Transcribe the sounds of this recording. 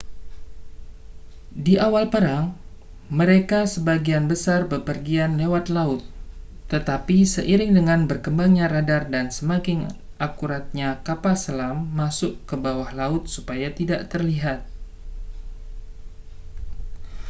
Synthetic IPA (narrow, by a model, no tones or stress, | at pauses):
diʔawalpəɾaŋ | məɾekasəbaɡianbəsarbəpərɡianlewat̪laʊt̪ː | ət̪apisəʔiɾɪŋdəŋanbərkəmbaŋɲaɾadardansəmakɪŋ | akuɾat̪̚ɲakapasəlamːasʊʔkəbawahlaʊt̪̚supajat̪idaʔt̪ərliɦat̪̚